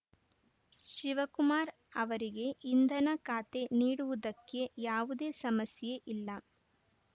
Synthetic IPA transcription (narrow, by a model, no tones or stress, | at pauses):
ʃiʋɐkumaːɾ | ɐʋɐɾiɡe̞ind̪ʱɐnɐkaːt̪e̞niːɽuʋud̪ɐkːe̞jaːʋud̪e̞ːsɐmɐsje̞ʔilːɐ